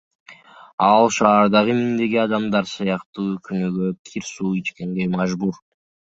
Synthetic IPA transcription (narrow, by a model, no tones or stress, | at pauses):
ɑlˠʃɑːɾd̪ɑʁɯmind̪e̞ɡiɑd̪ɑmd̪ɑɾsɯjɑqt̪uːkʰynøɡøkʲʰiɾsuːit͡ʃke̞ŋɡe̞jmɑʒbuɾ